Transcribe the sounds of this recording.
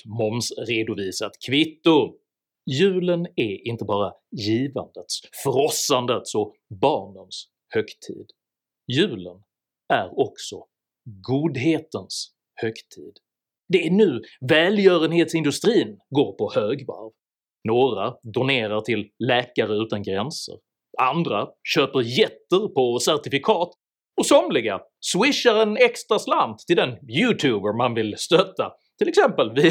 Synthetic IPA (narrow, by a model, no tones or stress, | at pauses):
mɔmsɾeːd̪ʊviːsat̪kʰvɪt̪ːʊ | jʉ̟ːlənæɪnt̪əbɑːɾajiːva̰nd̪ət̪sfœɾɔsand̪ət̪sɔbɑːɳəns | hœkt̪ʰḭːd̪ | jʉ̟ːlən | æɾɔksɔ | ɡuːd̪ɦeːt̪əns | hœkt̪ʰḭːd̪ | d̪ɛænʉ̟ːvɛːljœːɾənheːt̪sɪnd̪ɵst̪ɾiːnɡoːɾpʰɔhøːɡva̰ɾv | noːɾad̪ʊneːɾaʈʰɪlːɛːkaɾəʉ̟ːt̪anɡɾɛnsə̰ɾ | and̪ɾaɕøːpəɾjɛt̪ːəɾpʰɔsæʈɪfɪkʰɑːt̪ | ɔsɔmlɪɡa̰swɪʂːaɾɛnɛkst̪ɾasland̪ʰɪld̪ɛnjʉːt̪ʰʉːbəɾmanvɪlst̪œt̪ːa̰ | t̪ʰɪlɛksɛmpəlvɪ